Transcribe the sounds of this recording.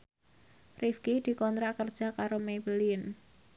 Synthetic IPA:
rifkid̪̥i̤kɔnt̪ɾaʔkərd̥ʒ̥a̤kaɾomebəlin

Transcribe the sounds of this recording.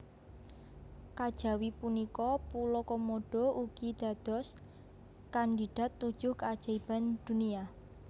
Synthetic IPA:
kad̥ʒ̥ä̤wipunikɔpulɔkɔmoɖ̥ɔ̤uɡ̥id̪̥a̤d̪̥ɔ̤s | kand̪iɖ̪̥a̤t̪ːud̥ʒ̥ʊhkad̥ʒ̥a̤ib̥a̤nd̪̥ṳnia

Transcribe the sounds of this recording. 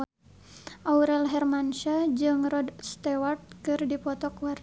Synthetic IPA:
ʔauɾɛlɦɛrmanʃad͡ʒɨŋrɔdst̪ɛwart̪̚kɨrdipɔt̪ɔkwar

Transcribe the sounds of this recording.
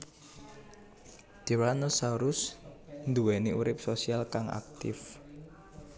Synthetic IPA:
d̪̥iwɾanəsaɾʊsnd̪uwɛniuɾɪp̚sosialkaŋa̰k̚t̪ɪf

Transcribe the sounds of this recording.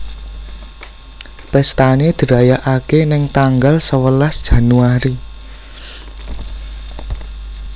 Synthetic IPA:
pɛst̪aned̪̥ə̤ɾajaʔakenɪŋt̪aŋɡalsəwəlasd̥ʒ̥a̤nuaɾi

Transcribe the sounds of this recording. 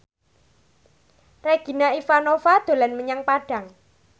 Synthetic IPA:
reɡ̥i̤naifanofad̪̥o̤lanməɲaŋpaɖ̥ä̤ŋ

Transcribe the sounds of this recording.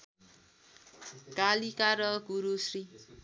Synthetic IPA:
ɡ̥alikaɾʌɡuɾusri

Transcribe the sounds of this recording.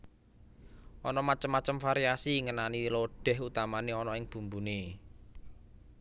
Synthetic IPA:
ʔɔnɔmat͡ʃəmːat͡ʃəmfaɾiasiŋənaniloɖ̥ɛ̤ɦut̪amaneɔnɔɪŋb̥ṳmbune

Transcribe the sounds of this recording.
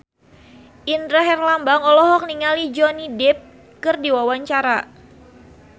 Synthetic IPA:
ʔindɾaɦɛrlambaŋɔlɔɦɔk̚niŋalid͡ʒɔnidɛp̚ | kɨrdiwawaɲt͡ʃaɾa

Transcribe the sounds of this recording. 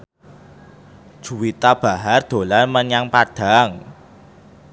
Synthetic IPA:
d̥ʒ̥ṳwit̪ab̥a̤ɦard̪̥o̤larməɲaŋpad̥a̤ŋ

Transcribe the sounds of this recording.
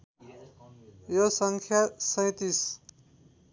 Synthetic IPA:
josʌŋkʰjasʌ̃j̃t̪is

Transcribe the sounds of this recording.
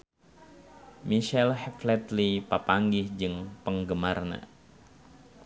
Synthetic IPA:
miʃɛlhɛflɛt̪lipapaŋɡɪhd͡ʒɨŋpəŋɡəmarna̰

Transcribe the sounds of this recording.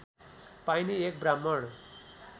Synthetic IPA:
pajniek̚bɾamːʌɽ

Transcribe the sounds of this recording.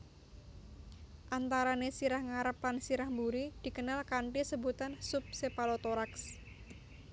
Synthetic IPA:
ʔant̪aɾanesiɾahŋaɾəplansiɾahmbuɾid̪̥i̤kənalkaɳʈisəbut̪ansʊp̚sepalot̪oɾaks

